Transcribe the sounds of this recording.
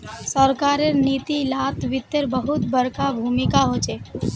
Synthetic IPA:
səɾkaːɾeɾniːt̪ilat̪ʋɪt̪ːeɾbəɦʊt̪bəɾkabʱuːmɪkaɦot͡ʃe

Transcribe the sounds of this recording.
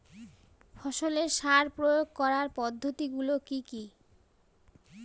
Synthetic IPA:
fɔʃoleɾʃaɾpɾojoɡ̚kɔɾaɾpɔd̪ʱːot̪iɡulokiki

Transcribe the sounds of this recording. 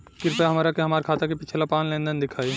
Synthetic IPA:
kɪɾpeɦɐmaːɾakeɦɐmaːɾkʰaːt̪akepit͡ʃʰelapaːnlẽːnd̪ənd̪ɪkʰaːi

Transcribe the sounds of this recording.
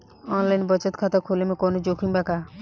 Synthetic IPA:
ɔnlainbət͡ʃət̪kʰat̪akʰolemẽkɔnod͡ʒoːkʰiŋbakaː

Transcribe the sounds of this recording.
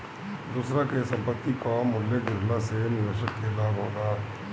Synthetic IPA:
d̪uːsɾãkesə̃mpət̪ːikomʊlːeɡɪɾlãsenɪʋeːʃək̪̚ːeːd̪aːboːɡaː

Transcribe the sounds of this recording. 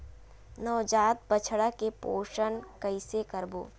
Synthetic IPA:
nɔːd͡ʒaːt̪̚bət͡ʃʰɽakepoːʃənkəɪsekəɾboː

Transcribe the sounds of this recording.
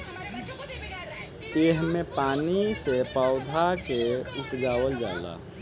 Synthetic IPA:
eɦmẽpaːnisepaʊd̪ʱakeupd͡ʒaːwəld͡ʒa̰ːla̰ː

